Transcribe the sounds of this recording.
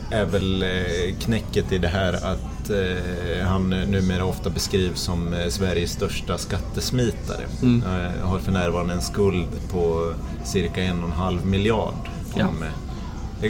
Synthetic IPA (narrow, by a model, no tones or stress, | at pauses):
æɾvɛlkʰnɛkːət̪ʰːɪld̪ɛɦæːɾat̪ | hannːʉ̟ːmeːɾaɔft̪abɛskɾiːvsɔmsvæɾjəsːt̪œʂʈaskat̪ːəsmiːt̪a̰ɾə̰ | haɾfœɳæːɾvɑːɾand̪əɛnskɵld̪pʰɔ | sɪɾkaɛnːɔnɦalvmɪljɑ̰ːɖ | ɔm | d̪ɛ